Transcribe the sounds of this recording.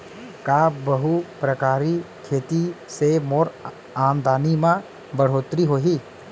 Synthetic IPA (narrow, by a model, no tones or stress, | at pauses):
kaːbəɦupɾəkaːɾikʰeːt̪isemoːɾ | aːnd̪ʱaːnimã | bəɽ̤oːt̪ɾiɦoːɦiː